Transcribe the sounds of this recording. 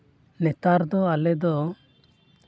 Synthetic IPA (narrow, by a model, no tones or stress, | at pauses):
lɛt̪aɾd̪ɔalɛd̪ɔ